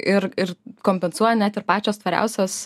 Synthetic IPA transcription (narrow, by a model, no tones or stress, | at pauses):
ʔɪɾɪɾkoːmʲpʲɛnsuɔjɛnʲæt̪ɪɾpɑːt͡ʃʲoːst̪ʋɐɾʲɛ̰ʊsʲoːs